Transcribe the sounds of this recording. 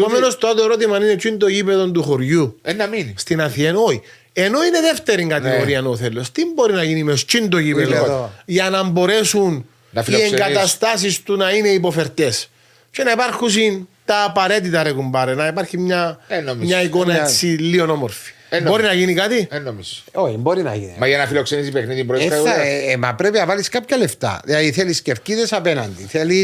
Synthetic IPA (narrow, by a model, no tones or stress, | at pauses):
pomenost̪oat̪oeɾo̞t̪̬imɐninet͡ʃind̪oʝipeðo̞nd̪uxoɾʝunːɐminst̪inɐθieno̞çi | e̞no̞ine̞ðeft̪eɾiŋɡɐt̪iɣoɾiɐnoθelːost̪imbo̞ɾinɐʝinimest͡ʃind̪oʝipeðʝɐnɐmbo̞ɾe̞sun | nɐiieŋɡɐt̪ɐst̪ɐs̬ist̪unɐine̞ipo̞fe̞ɾt̪e̞s | cenɐipaɾxus̬int̪ɐːpɐɾe̞t̪̬it̪ɐɾekumbɐɾenɐipɐɾçimɲɐnommɲɲɐiko̞nɐet͡sːilːio̞no̞moɾfi̥ | bo̞ɾinɐʝinikat̪ienːomisoimboɾinɐ̰jinimɐʝɐnɐfilokse̞nisipexniðimbɾoemɐpɾepinɐvaliskapçɐleft̪ɐ̰ðiɐðiθelisceɾt̪iðesɐpenɐnd̪iθelis